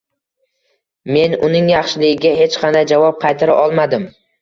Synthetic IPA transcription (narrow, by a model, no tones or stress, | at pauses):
me̞nʊnɪŋjɑχʃɪlɪɡʲɪɡʲaɦe̞t͡ʃqʰɑnd̪ajd͡ʒavɒp̚qʰɑjt̪ʰaɾa̰ʔɒlˠmad̪ɪm